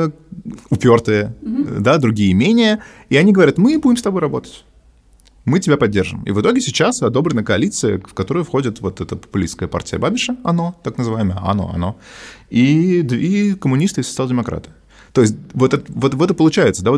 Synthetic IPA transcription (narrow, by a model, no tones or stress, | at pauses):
ʊpʲo̞rt̪ɨjəd̪ad̪ɾʊɡʲijəmʲenʲɪjə | iɐnʲiɡəvɐɾʲat̪mɨbudʲɪmst̪ɐbo̞jrɐbo̞t̪ə̥tʲ | mɨtʲɪbʲapɐdʲːe̞rʐɨ̰mḭvɨt̪o̞ɡʲɪsʲɪt͡ɕasɐd̪o̞bɾʲɪnəkəɐlʲit̪sɨjə̰fkɐt̪o̞ɾəjʊfxo̞dʲɪt̪vo̞t̪ɛt̪əpə̥pʊlʲḭst̪kəəpa̰rtʲɪjəbabʲɪʂəɐno̞t̪aknəzɨvajɪməjəɐ̰no̰ɐ̰no̞id̪vʲikəmʊnʲist̪ɨɪsət̪sɨalˠdʲɪmɐkɾʔa̰t̪ɨ̥ | t̪o̞ɪsʲt̚ʲvot̪ɛt̪vot̪vɛt̪əpəlˠʊt͡ɕæjɪt̪səd̪avo